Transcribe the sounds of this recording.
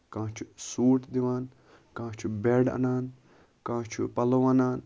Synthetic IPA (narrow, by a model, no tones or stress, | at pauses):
kãːt͡ʃʰu̥suːʈ̪d̪iʋaːn | kãːt͡ʃʰubeɖɐ̰naːn | kãːt͡ʃʰṵpɐloʋanaːn